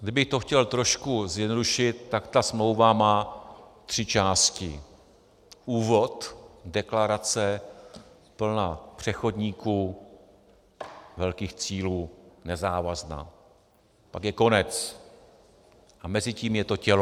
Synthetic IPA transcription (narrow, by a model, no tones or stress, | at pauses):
ɡdɪbɪxt̪o̞xcɛlt̪ɾo̞ʃkuzjɛdnoduʃɪt̪ːakt̪asmlo̞wvamaːt̪r̝̥ɪt͡ʃaːscɪ̰ | ʔuːvo̞t̪dɛklaɾat͡sɛ | pl̩napr̝̥ɛxo̞dɲiːkuː | vɛlkiːxt͡siːluːnɛzaːvazna̰ː | pakjɛko̞nɛt͡s | ʔamɛzɪciːmjɛt̪o̞cɛl